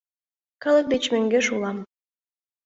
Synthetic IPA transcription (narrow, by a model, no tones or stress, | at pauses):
kɤlək̚d̪et͡ɕmøŋɡeʃulɑm